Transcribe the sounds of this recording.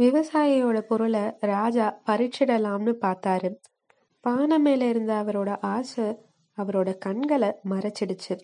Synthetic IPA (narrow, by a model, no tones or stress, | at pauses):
ʋɪʋɐsaːjɪjoːɽɐpɔɾɯɭɐɾaːd͡ʒaːpɐɾɪʈt͡ʃɪɽɐlaːmnɯpaːɾt̪aːɾɯ | paːnɐmeːlɐɪɾɯnd̪ɐːʋɐɾoːɽɐʔaːsɐ | ɐʋɐɾoːɽɐkɐɳɡɐɭɐmɐɾɐt͡ʃːɪɽɯt͡ʃːɯ